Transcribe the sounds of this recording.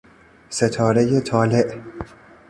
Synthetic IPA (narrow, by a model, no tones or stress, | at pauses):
set̪ʰɒːɾe̞jet̪ʰɒːleʔ